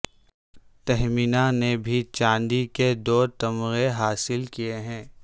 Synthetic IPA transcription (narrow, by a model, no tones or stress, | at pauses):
t̪ɛɦminanebʱit͡ʃãːnɖ̪iked̪oːt̪ɐmɣeɦaːsɪlkijeɦɛ̃ː